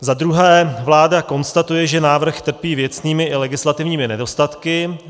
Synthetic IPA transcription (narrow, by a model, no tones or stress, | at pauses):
zad̪ɾuɦɛːvlaːdako̞nst̪at̪ujɛʒɛnaːvr̩xt̪r̩piːvjɛt͡sniːmɪʔɪlɛɡɪslat̪ɪvɲiːmɪnɛdo̞st̪at̪kɪ